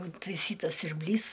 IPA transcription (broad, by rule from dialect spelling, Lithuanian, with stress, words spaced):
ɪntɐɪˈsʲiːtɐs sʲʊrʲbʲˈlʲiːs